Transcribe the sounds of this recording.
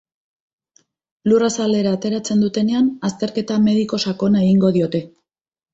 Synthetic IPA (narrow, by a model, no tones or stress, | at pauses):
lurasale̞ɾaːt̪e̞ɾat͡se̞nd̪ut̪e̞ne̞anast̪e̞ɾke̞t̪ame̞ðiko̞sako̞nae̞ɣiŋɡo̞ð̞io̞t̪e̞